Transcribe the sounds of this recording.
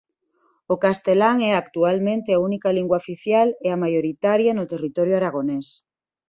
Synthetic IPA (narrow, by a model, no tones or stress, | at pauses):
okast̪elaŋɛakt̪ualmẽnt̪eaunikaliŋɡwaofiθjaleamajoɾit̪aɾjanʊt̪erit̪ɔɾjʊaɾaɣonɛs